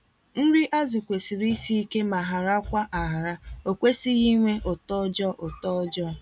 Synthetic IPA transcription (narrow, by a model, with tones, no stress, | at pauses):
n̩˦ɾɪ˦ʔa˦zʊ˨kʷe˨si˨ɾi˦si˦ke˦ma˨ɦa˨ɾa˦kʷa˦ʔa˨ɦa˨ɾa˦o˨kʷe˦si˦ɣi˦ŋʷe˦ʔʊ˨tɔ˦d͡ʒɔ˦ʔo˨tɔ˦d͡ʒɔ˦˨